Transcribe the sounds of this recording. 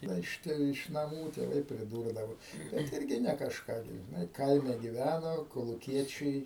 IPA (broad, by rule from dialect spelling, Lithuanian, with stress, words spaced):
ˈdɐ ɪʃ ˈtʲɛ ɪʃ nɐˈmuː tʲeːˈʋɐɪ pʲrʲɪˈduːrdɐʋoː bʲɛt ˈɪrʲɡʲɪ nʲɛ kɐʃˈkɑː ɡʲɪ ʒʲɪˈnɐɪ ˈkɐɪmʲɛ ɡʲɪˈʋʲænoː koːlˠʊˈkʲiɛt͡ʃʲɛɪ